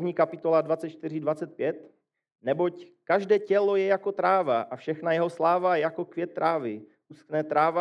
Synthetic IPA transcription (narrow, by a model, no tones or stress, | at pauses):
vɲiːkapɪt̪o̞ladvatt͡sɛt̪̚t͡ʃt̪ɪr̝ɪdvat͡sɛt̪̚pjɛt̪ | nɛbo̞ckaʒdɛːcɛlojɛjakot̪ɾaːvaʔafʃɛxnajɛɦo̞slaːvaɛjako̞kvjɛt̪ːɾaːvɪʔusknɛːt̪ɾaːva